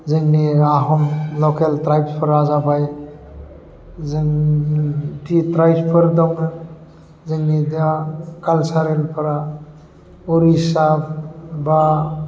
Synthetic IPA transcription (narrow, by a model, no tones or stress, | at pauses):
zɯŋniaɦɔmlɔkeltɾajbspʰəɾazabaj | zəŋ | titɾajspʰəɾd̪awnɯ | zɯŋnidakalsaɾelpʰaɾa | uɾisabba